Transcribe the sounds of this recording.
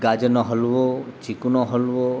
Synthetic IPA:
ɡad͡ʒənoɦəlʋot͡ʃikunoɦəlʋo

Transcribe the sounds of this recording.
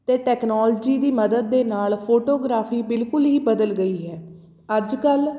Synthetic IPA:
t̪eːʈɛːknɔːld͡ʒiːd̪iːməd̪əd̪̚ːeːnaːlpʰoːʈoːɡɾaːpʰiːbɪlkʊlɦiːbəd̪əlɡəiːɦɛː | əd͡ʒkəl

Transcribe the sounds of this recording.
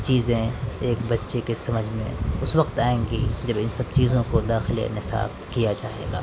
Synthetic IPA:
t͡ʃiːzẽeːkbɐtːʃekesɐməd͡ʒʱmḛ̃ʊswɐqt̪aːẽːŋɡid͡ʒɐbɪnsɐb̚t͡ʃiːzõkod̪aːxɪlḛnɪsa̰ːb | kijad͡ʒaːɦḛːɡa̰ː

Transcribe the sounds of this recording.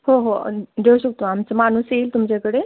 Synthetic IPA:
ɦoɦod̪ʱeuɕək̚t̪oamt͡səmanuselt̪umd͡ʑekəɽe

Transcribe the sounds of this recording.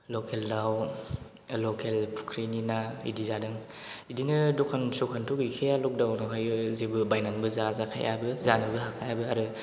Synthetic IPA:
lokʰeldaw | lokʰelpʰu̥kʰɾininaḭdizadɯŋ | idinɯdɔkʰansukʰantʰukikʰejalɔk̚dawnakʰajɯzebɯbajnaŋbɯzazakʰa̰jʔa̰bɯzanɯbɯɦakʰajabɯaɾɯ

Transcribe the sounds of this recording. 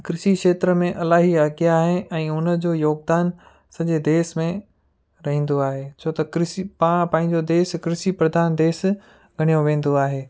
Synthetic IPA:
kɾɪʃikʃeːt̪ɾəmẽʔɐlaːɦiaːɡijaɦɪɛ̃ːʊnəd͡ʑoːjoːɡ̚d̪aːn | sɐʄed̪eːsmẽ | ɾɐɦĩːn̆d̪oaːɦeːt͡ɕʰoːt̪ɐkɾɪsipãpãːɪ̃ɲd͡ʑod̪eːskɾɪʃipɾɐd̪ʱaːnd̪eːs | ɡʱɐɽ̤̃ijoʋẽːn̆d̪oaːɦeː

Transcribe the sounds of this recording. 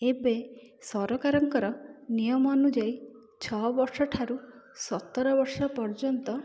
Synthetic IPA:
ebesɔɾɔkaɾɔŋkɔɾɔnijɔmɔːnud͡ʒaj | t͡ʃʰɔɦbɔɾsɔʈʰaɾusɔt̪ːɔɾɔbɔɾsɔpɔɾd͡ʒɔnt̪ɔ

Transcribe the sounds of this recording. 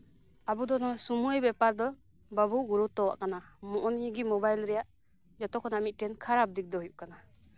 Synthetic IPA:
abud̪ɔnɔsumujbɛpaɾd̪ɔ | babuɡuɾut̪ːɔwa̰ʔkanamɔʔɔnɡimɔbajlɾɛjaʔ | d͡ʒɔt̪ɔkʰːɔnamit̪̚ʈɛnkʰaɾap̚d̪ik̚d̪ɔɦujuʔ̚kana

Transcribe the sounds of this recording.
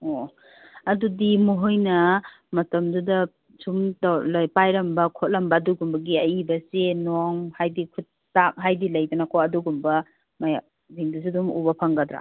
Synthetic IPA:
o | ɐdudimuɦojnɐ | mɐtɐmdudɐ | sumtawlɐjpajɾɐmbɐkʰot̚lɐmbɐːduɡumbɐɡiɐjibɐsenoŋhajdikʰutːak̚ɦajdilɐjdunakʰoɐduɡumbɐ | maj | ziŋdus̬idumṵbɐpʰɐŋɡɐdɾa̰

